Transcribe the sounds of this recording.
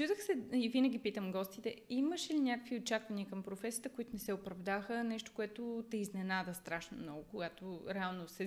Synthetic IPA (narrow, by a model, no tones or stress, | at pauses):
t͡ʃuzəxsɛivinəɡ̟ʲipit̪əmɡɔst̪it̪ɛiməʃɛlinʲakəkviott͡ʃakvɐniəkɐmpɾofɛsijət̪əkʊit̪onɛsɛopɾɐvd̪axənɛʃt̪o̥koɛt̪ot̪ɛiznɛnad̪əst̪ɾaʃnomnɔɡokoɡat̪oɾɛalˠnosɛ